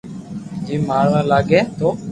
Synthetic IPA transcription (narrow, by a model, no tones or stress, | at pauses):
d͡ʒiːmaːɭãːlaːɡeːt̪oː